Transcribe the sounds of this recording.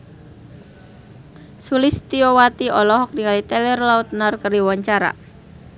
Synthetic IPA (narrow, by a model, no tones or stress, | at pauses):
sulɪst̪iɔwat̪iɔlɔɦɔk̚niŋalit̪ɛlɛrlaut̪̚narkəɾiwaɲt͡ʃaɾa̰